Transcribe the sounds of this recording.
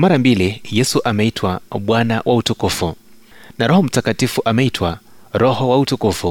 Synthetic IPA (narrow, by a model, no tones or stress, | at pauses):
maɾambilijɛsuʔamɛitʰwaɓwanawʔautukufu | naɾɔhɔm̩takatifuʔamɛitʰwaɾɔhɔwautukufu